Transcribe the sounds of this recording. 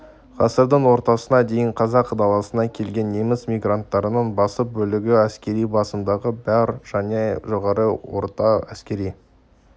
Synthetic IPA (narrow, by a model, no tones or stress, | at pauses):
qʰɑsəɾd̪əɴwo̞ɾt̪ɑsənɑd̪e̞jɪɴqʰɑzɑqːd̪ɑlˠɑsənɑkʲʰe̞lɡʲe̞nːe̞mɪsmʲijɡrant̪ːɑɾənəɴbɑsəp̚bɵlɪɡʲɪæskʲe̞ɾijbɑsəmd̪ɑʁəbæɾʒ̥æne̞ʒo̞ʁɑɾəwo̰ɾt̪ɑæskʲe̞ɾij